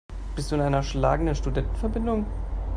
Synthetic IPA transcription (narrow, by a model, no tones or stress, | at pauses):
b̥ɪstd̥uːɪnʔaɪnɐʃla̰ːɡŋ̩dənʃtudɛntn̩fɛɐbɪndʊŋ